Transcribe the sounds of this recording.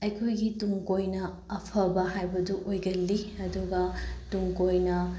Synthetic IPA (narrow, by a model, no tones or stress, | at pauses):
ɐjkʰojɡituŋkojnɐː | pʰɐbɐɦajbɐduʔojɡɐlːiɐduɡɐtuŋkojnɐ